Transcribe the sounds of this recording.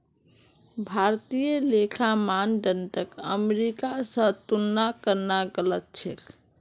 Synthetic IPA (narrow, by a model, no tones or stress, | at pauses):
bʱaɾt̪ijəlekʰamanɖəɳʈəkə̰meɾikasə̃t̪unːakəɾnaɡələt̪̚t͡ʃʰek